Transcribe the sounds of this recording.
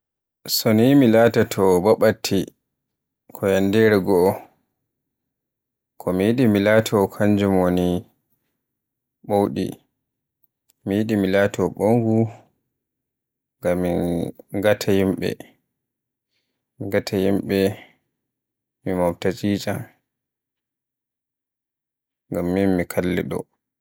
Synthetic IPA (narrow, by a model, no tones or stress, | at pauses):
sonimilaːtatʰɔbaɓatʰːi | kʰɔjandɛɾɛɡɔː | kʰɔmijiɗimilaːtʰɔkʰaɲd͡ʒumwoni | ɓowɗḭ | mijiɗimilaːtʰɔɓoŋɡu | ŋɡamːiŋɡatʰahimɓɛ̰ | miŋɡatʰajimɓɛ | mimawtat͡ʃiːt͡ʃa | ŋɡamːinmikʰalːɛɗɔ̰